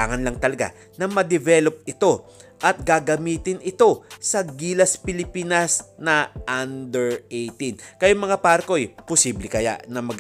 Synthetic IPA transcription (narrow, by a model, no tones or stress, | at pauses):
aːŋɐnlɐŋt̪ɐlɐɡa̰ | nɐmɐd̪ɛvɛlo̞p̚ɪt̪o̞ʔɐt̪̚ɡaɡɐmiːt̪ɪnɪt̪o̞sɐɡiːlɐspɪlɪpiːnɐsnɐʔand̪ɛɹejt̪inkɐjʊŋmɐŋapaːɾɐko̞ʔjposiːblɛkɐja̰ʔnɐmɐɡ